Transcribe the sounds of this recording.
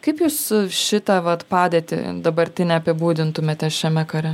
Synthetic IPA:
kɐɪpjuːsʃʲɪt̪ɐʋɐt̪pɑːd̪ʲeːt̪ʲɪ̰d̪ɐbɐɾʲt̪ʲɪnʲɛɐpʲɪbuːd̪ʲɪnt̪ʊmʲeːt̪ʲɛʃʲɛmʲɛkɐɾʲɛ

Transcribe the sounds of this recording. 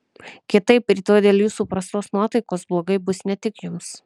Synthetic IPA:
kʲɪt̪ɐɪpɾʲiːt̪oːd̪ʲeːlʲˠjuːsuːpɾɐst̪oːsnuɔt̪ɐɪkoːsblˠoːɡɐɪbʊsnʲɛt̪ʲɪkjʊms

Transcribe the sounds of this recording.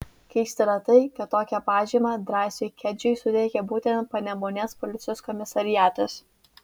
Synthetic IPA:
kʲɛɪsʲt̪ʲɪɾɐt̪ɐɪkɐt̪ːoːkʲɛpɑːʒʲiːmɑd̪ɾɑːsʲʊɪkʲɛd͡ʒʲʊɪsʊd̪ʲeːkʲɛbuːt̪ʲɛnt̪̚pɐnʲɛmoːnʲeːspɔlʲɪt̪sʲɪjoːskɔmʲɪsɐɾʲɪjæːt̪ɐs

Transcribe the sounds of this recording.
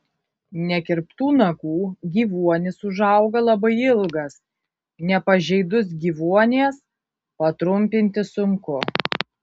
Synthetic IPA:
nʲɛkʲɪɾpt̪uːnɐkuːɡʲiːʋuɔnʲɪsʊʒɐʊɡɐlˠɐbɐɪɪlˠɡɐs | nʲɛpɐʒʲɛɪd̪ʊs̬ɡʲiːʋuɔnʲeːs | pɐt̪ɾʊmʲpʲɪnʲt̪ʲɪsʊŋkʊ

